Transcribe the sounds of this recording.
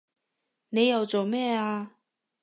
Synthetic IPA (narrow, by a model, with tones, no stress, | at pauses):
ne˨˧jɐ˨wt͡so˨wmɛː˥˧aː˧